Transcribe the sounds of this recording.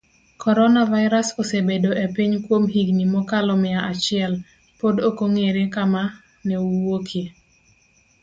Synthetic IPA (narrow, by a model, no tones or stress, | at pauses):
kʰɔɾɔnavaɪɾasosebedoʔepiɲkwomɦiɡnimɔkalɔmɪaʔat͡ʃɪɛl | podokoŋeɾekama | nɛuwokʰe